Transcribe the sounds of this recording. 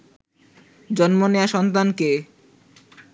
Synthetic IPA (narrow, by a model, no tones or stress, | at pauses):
d͡ʑɔnmoneaʃɔnt̪̬anke